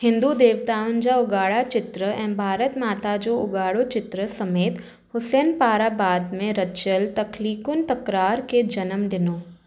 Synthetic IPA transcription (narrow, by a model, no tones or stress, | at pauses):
hɪ̃nd̪ud̪eːʋt̪aːʊnɪ̆d͡ʑaʊɡaːɽat͡ʃɪt̪ɾəɛ̃ːbʱaːɾət̪maːt̪ad͡ʑoʊɡaːɽot͡ɕɪt̪ɾəsɐmeːt̪ | hʊsɛːnpaːɾabaːd̪mẽɾɐt͡ʃəlt̪ɐkliːkʊnt̪ɐkɾaːɾked͡ʒɐnəmɖɪnoː